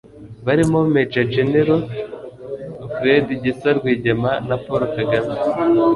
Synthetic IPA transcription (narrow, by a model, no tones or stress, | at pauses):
βaɾimo̞med͡ʒad͡ʒeniɾo | fɾediɟisaɾɡwiːɟemanapoɾokaɡame